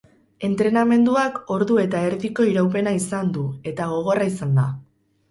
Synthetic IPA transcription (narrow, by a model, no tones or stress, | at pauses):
e̞nt̪ɾe̞name̞nd̪uako̞ɾðue̞t̪ae̞ɾðiko̞iɾawp̬e̞naisand̪ue̞t̪aɣ̞o̞ɣ̞o̞raisand̪a